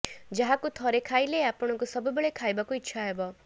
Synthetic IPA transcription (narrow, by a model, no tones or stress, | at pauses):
d͡ʒaɦakut̪ʰɔɾekʰajleapɔɽ̃ɔkusʌbujbeɭekʰajbakuitːʃʰaɦebɔ